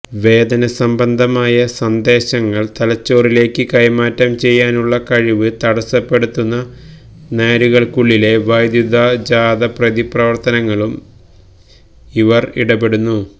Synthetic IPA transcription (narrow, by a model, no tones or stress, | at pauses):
ʋe̞ːd̪ɐnɐsɐmbɐnd̪ʱɐmaːjɐsɐnd̪e̞ːɕɐŋːɐɭt̪ɐlɐt͡ɕːo̞ːrile̞ːkːɨkɐjmaːtːɐmt͡ɕe̞jːaːnuɭːɐkɐɻiʋɨt̪ɐɽɐsɐpːe̞ɽut̪ːunːɐ | neːɾuɣɐɭkuɭːile̞ʋɐjd̪jud̪ʱad͡ʑaːd̪ɐprɐðiprɐʋɐrt̪ɐnɐŋːɐɭum | iʋɐrḭɽɐpe̞ɽunːu